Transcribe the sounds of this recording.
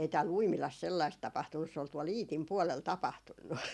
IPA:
ei tæːl uimilɑs selːɑist tɑpɑhtunːus se ol tuol iːtim puolel tɑpɑhtunːu

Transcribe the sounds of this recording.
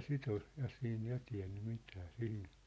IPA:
sit ol jɑ siːn jɑ tiæ̯nːy mitæ sihin̞

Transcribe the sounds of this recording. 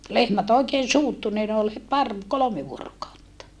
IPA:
lehmæt oekeːn̞ suːtːu niː ne ol het pɑr kolome ʋuorokɑutːɑ

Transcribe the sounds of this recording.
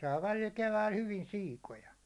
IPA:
sɑː ʋælil keʋæil hyʋin siːkojɑ

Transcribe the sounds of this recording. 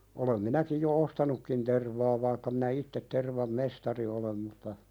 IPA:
olem minækij jo ostɑnukːin terʋɑː ʋɑikːɑ minæ itːet terʋɑm mestɑri olem mutːɑ

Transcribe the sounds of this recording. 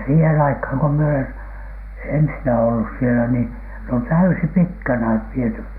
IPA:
siːhen ɑikhɑŋ ko mie olen ensinæ olːus sielæ niː ne on tæysipitkænæ ʋiety

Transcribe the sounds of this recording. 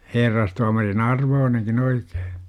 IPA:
herːɑstuɑmɑrin ɑrʋoːneŋkin oike̥ː

